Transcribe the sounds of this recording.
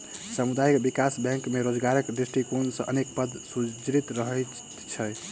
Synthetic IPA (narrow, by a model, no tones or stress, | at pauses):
səmud̪ajkbikasbɛ̃ŋkmeɾod͡ʒɡaɾəkd̪ɾesʈikonsə̃ʔənekpəd̪sud͡ʒɾit̪ɾəɦə | t͡ʃʰə